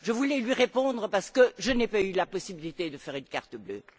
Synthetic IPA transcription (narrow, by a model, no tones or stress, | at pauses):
ʒəvulɛlɥiʁepɔ̃d̪ʁəpaʁsə̥kəʒənɛpaylapɔsibilit̪ed̪əfɛʁynka̰ʁt̪əblø̰